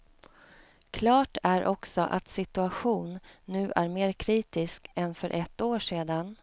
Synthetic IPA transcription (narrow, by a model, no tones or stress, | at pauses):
kʰlɑːʈʰæɾʔɔksɔʔa̰t̪sɪt̪ɵaɧuːnːʉ̟ːʔæɾmeːɾkʰɾiːt̪ɪskɛnfœɾʔɛt̪ːoːʂeːd̪an